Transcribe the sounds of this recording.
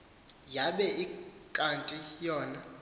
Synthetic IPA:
jaɓɛikʼantʼijɔːna

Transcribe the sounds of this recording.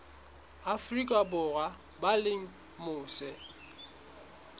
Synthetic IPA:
afrikʼabʊra | balɪŋ̩ | mʊːsɛ

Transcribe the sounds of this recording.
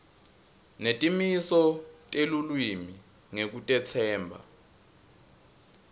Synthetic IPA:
netʼimisɔtʼelulwimi | ŋek̬utʼɛt͡sʰɛːmbʱa̰

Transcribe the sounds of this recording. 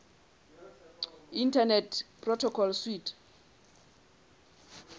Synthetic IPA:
intʰanɛtpʰʼrɔtʰɔkʰɔlswitʰ

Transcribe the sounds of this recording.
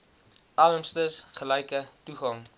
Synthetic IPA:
ʔɑləmstəsχəlɛjkətuχɐŋ

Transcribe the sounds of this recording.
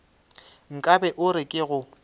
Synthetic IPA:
ŋ̩kʼabɛʔʊɾɪkʼɪɣʊ

